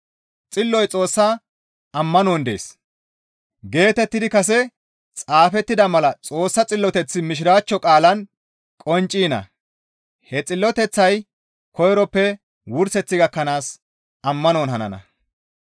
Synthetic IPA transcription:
t͡sʼɪlːɔjt͡sʼo̞ːsːa | ɐmːɐnoːnd̪e̞̰ːs | ɡe̞ːt̪ɛt̪ːɪd̪ɪkɐs̬ɛ | t͡sʼaːfɛt̪ːɪd̪ɐmɐlɐt͡sʼo̞ːsːɐt͡sʼɪlːɔt̪ɛt͡sːɪmɪʃ̬ɪɾaːt͡ʃːɔkʼaːlɐn | kʼɔnt͡ʃʼːiːnɐ̰ | hɛt͡sʼɪlːɔt̪ɛt͡sːɐj | kɔjɾɔpːɛ | wʊɾsɛt͡sːɪɡɐkːɐnaːs | ɐmːɐnoːnɦɐnɐ̰nɐ̰

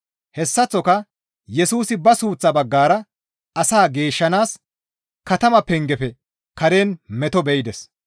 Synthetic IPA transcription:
hɛsːɐt͡sːɔkɐ | jɛsuːsɪbɐsuːt͡sːɐbɐɡːaːɾɐ | ɐsaːɡe̞ːʃːɐnaːs | kɐt̪ɐmɐpːɛŋɡɛpɛ | kɐɾeːnmɛt̪ɔbɛjɪd̪ɛs

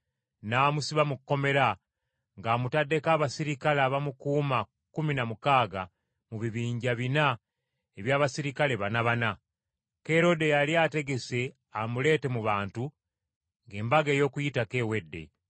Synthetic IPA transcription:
naːmusiβamukːo̞me̞ɾa | ŋɡaːmutadːe̞kaːβasiɾikalaːβamukuːma | kuminamukaːɡa | muβiβiːɲɟaβina | eβjaːβasiɾikale̞βanaβana | ke̞ɾo̞de̞jaliaːte̞ɡe̞se̞ | amule̞ːte̞muβaːntu | ŋɡe̞ːmbaɡe̞ːjo̞ːkujitake̞we̞dːe̞̰

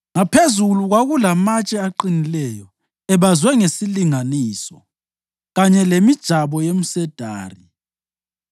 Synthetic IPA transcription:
ŋapʰezuluɣwaɣulamat͡ʃʼɛaǃinilɛjɔ | ɛβazwɛŋesiliŋaniːsɔ | ɣaɲɛlemid̥ʒ̥ʱaβɔjem̩sɛd̥ʱa̰ːri

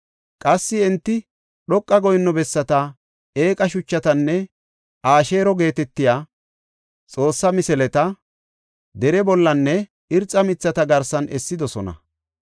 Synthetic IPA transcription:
kʼɐsːɪɛnt̪ːɪ | ɗɔkʼːɐɡɔjnːɔbɛsːɐt̪ɐ | eːkʼɐʃʊt͡ʃːɐt̪ɐnːɛ | ʔaːʃe̞ːɾɔɡe̞ːt̪ɛt̪ːɪjaː | t͡sʼo̞ːsːɐmɪsɛlɛt̪ɐ | d̪ɛɾɛbɔlːɐnːɛ | ɪɾt͡sʼːɐmɪt͡sːɐt̪ɐɡɐɾsɐnʔɛsːɪd̪ɔsɔnɐ̰

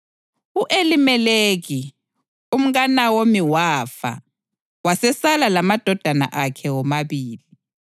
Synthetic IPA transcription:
uʔelimɛleɣi | um̩ɣanawomiwafa̰ | wasɛsalalamad̥ʱɔd̥ʱana̰ʔakʰɛwɔmaβiːli

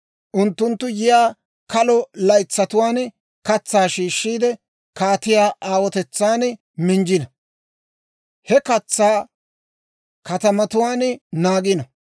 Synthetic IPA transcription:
ʔʊnt̪ːʊnt̪ːʊjɪjaː | kɐlɔlɐjt͡sːɐt̪ʊwaːn | kɐt͡sːaːʃiːʃːiːd̪ɛ | kaːt̪ɪjaːʔaːwɔt̪ɛt͡sːaːn | mɪnd͡ʒɪnɐ | hɛkɐt͡sːaː | kɐt̪ɐmɐt̪ʊwaːnnaːɡɪnɐ

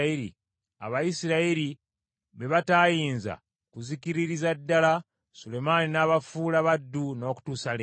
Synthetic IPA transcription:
iɾḭ | a̰βajisiɾaiɾi | βe̞βataːjiːnza̰ | kuzikiɾiɾizadːala | sule̞maninaːβafuːlaβadːuno̞ːku̥tuːsale

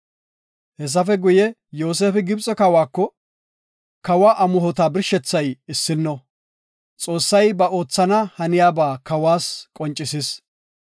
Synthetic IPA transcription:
hɛs̬ɐfɛɡʊjɛ | joːs̬eːfɪɡɪbt͡sʼɔkɐwaːkːɔ | kɐwaʔɐmʊɦɔt̪aːbɪɾʃɛt͡sːɐjɪsːɪnːɔ | t͡sʼo̞ːsːɐjbɐo̞ːt͡sːɐnɐhɐnɪjaːbaːkɐwaːskʼɔnt͡ʃʼːɪsɪs

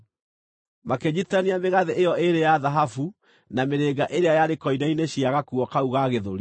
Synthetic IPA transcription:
makeɲitaniameɣaðeejɔʔeɾejaðaɦafu | nameɾeɡaʔeɾeajaɾekɔinaineɕiaɣakuɔkauɣaɣeðoɾi

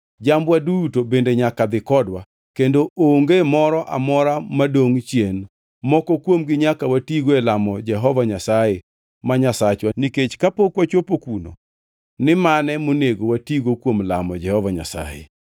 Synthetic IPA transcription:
d͡ʒambwadutobendeɲakad̪ɪkɔdwa | kendoʔoŋɡemɔɾɔʔa̰mɔɾamadoŋt͡ʃjen | mɔkɔkwomɡɪɲakawatiɡoelamɔd͡ʒɛɦɔvaɲasaje | maɲasat͡ʃwaniket͡ʃkapokwat͡ʃwopokuno̰ | nɪmanɛmoneɡowatiɡokwomla̰mɔd͡ʒɛhɔvaɲa̰sa̰jḛ

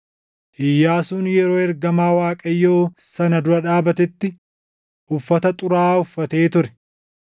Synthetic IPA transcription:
ʔɪjːaːsuːnjɛɾoːɛɾɡɐmaːwaːkʼɐjːoːsɐnɐd̪ʊɾɐᶑaːbɐt̪ɛt̪ːɪ | ʔʊfːɐt̪ɐt̪ʼʊɾaːʊfːɐt̪eːt̪ʊɾɛ̥

